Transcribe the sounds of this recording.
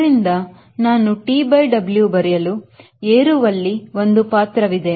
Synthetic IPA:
ɾind̪ɐ | naːnuʈiːbɐjɖɐbljubɐɾɛjɐlu | eːɾuʋɐlːiʋo̞nd̪upaːt̪ɾɐʋid̪e̞

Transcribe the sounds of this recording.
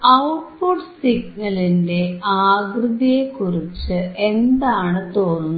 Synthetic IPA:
ɐwʈ̚poːɖsiɡnɐlinde̞aːɡrɨðijekːurit͡ɕːɨʔe̞nd̪aːɳɨt̪o̞ːnːu

